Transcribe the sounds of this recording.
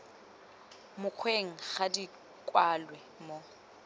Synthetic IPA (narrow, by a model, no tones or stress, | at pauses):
mʊq͡χʰweŋ̩χadi | kʼwalwɛmo